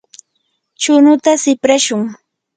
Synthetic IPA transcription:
t͡ʃʊnʊt̪asɪpɾaʃʊŋ

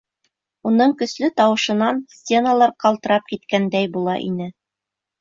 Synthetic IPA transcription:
unɤɴkɵ̆slɵt̪ɑwɤ̆ʃɤ̆nɑnsʲt͡sʲe̞nalˠɑɾqɑlˠt̪ɤ̆ɾɑp̚kit̪kænd̪æjbulˠɑʔḭnɘ

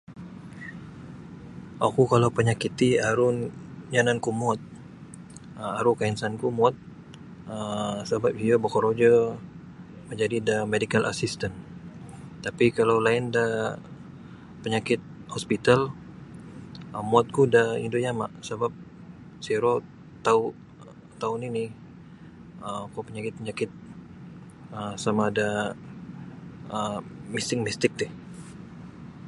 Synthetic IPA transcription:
a̰kukalawpəɲakit̪iaɾʊnjanankumɔt̪̚ | əaɾukainsankumɔt̪̚ | əsəbap̚viobəkɔɾod͡ʒə | məɲd͡ʒadidamedikalʔa̰sist̪an | t̪apikalawlaɪnda | pəɲakɪt̪̚hospit̪al | əmuat̪̚kudaḭndoɲama̰ʔsəbap̚ | siɾo | t̪au | t̪auninɪ | əmkupəɲakɪt̪̚pəɲakɪt̪̚ | əsamada | əmist̪ɪk̚mist̪ɪk̚t̪ɪh

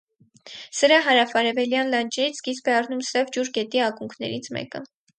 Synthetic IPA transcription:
səɾɑɦɑɾɑfɑɾɛvɛljɑnlɑnd͡ʒɛɾit͡sʰɡispɛɑrnumsɛvd͡ʒuɾɡɛt̪iɑkuŋkʰnɛ̰ɾit͡sʰmɛ̰kə

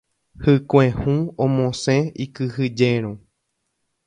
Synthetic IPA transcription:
hɨkʷẽhũõmõsẽikɨhɨd͡ʒeɾ̃õ

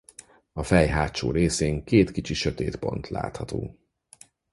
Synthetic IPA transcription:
ɒfɛjɦaːt̪t͡ʃo̰ːɾeːseːŋkeːt̪kit͡ʃiʃøt̪eːt̪po̞̰nt̪la̰ːt̪hɒt̪o̰ː

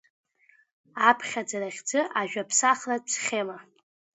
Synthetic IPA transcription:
apʰχʲad͡zaɾaχʲd͡zɨʔaʒᶣapʰsaχlat͡sʰχʲema

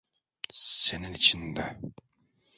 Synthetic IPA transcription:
seninit͡ʃʰind̪ɛ

